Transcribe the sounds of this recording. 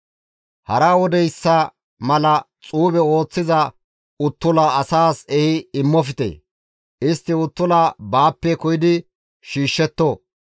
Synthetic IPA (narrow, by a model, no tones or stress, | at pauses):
hɐɾawɔd̪ɛjsːɐ | mɐlɐ | t͡sʼuːbɛo̞ːt͡sːɪzɐ | ʊt̪ːʊlɐɐsaːsɛhɪɪmːɔfɪt̪ḛː | ɪst̪ːɪʊt̪ːʊlabaːpːɛkɔjɪd̪ɪ | ʃiːʃːɛt̪ːo